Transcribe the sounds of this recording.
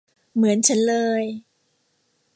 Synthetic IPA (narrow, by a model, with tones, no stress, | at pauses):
mɯ˩˦ənt͡ɕʰa˦˥nlɤː˧j